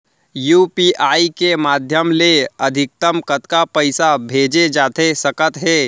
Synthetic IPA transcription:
juːpiʔaːikemaːd̪ʱjəmleəd̪ʱɪk̚t̪əmkət̪kapəɪsabʱeːd͡ʒed͡ʒaːt̪esəkət̪ɦeː

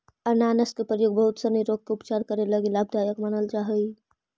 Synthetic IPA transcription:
ənanəskepɾəjoːɡ̚bəɦʊt̪sənəɾoːɡ̚keʊpt͡ʃaːɾkəɾeləɡilaːbd̪aːjəkmənəlt͡ʃaɦəi

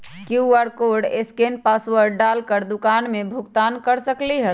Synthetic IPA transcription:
kjuəɾkoɾɖḛskenpaswəɾɖɖalkəɾd̪ʊkanmebʱʊkt̪ankəɾsəkliɦə

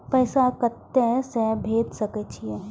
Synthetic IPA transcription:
pɛːsakɐt̪ːesɛ̃bʱeːd̪sɐket͡ʃʰie

